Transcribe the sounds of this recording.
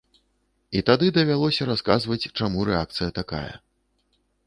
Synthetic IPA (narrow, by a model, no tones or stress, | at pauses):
it̪ad̪ɨd̪ɐvʲalˠɔsʲɐɾaskazvɐt͡sʲt͡ʂamuɾɛak̚t̪sɨjɐt̪aka̰jɐ̰